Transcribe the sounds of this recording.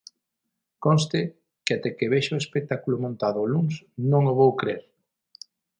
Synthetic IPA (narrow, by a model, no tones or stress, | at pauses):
konst̪ɪ | keat̪ɛkeβɛʃoʊespek̚t̪akulʊmõnt̪aðʊluŋsnõŋoβowkɾeɾ